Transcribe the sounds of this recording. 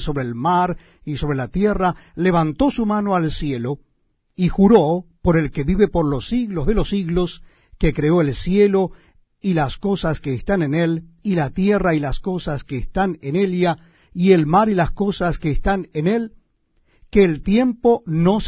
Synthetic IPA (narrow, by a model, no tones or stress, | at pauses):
so̞βɾeːlmaɾ | isoβɾelat̪jerale̞β̞ant̪o̞sumano̞alsje̞lo̞ | ixuɾopo̞ɾe̞lke̞βiβe̞po̞ɾlosiɣlo̞zðe̞lo̞siɣlo̞s | ke̞kɾeo̞e̞lsje̞lo̞ | ilasko̞saskeːst̪ane̞nelilat̪jerailasko̞saskeːst̪anenelja | ielmaɾilasko̞saskeːst̪anene̞l | keːlt̪je̞mpo̞no̞s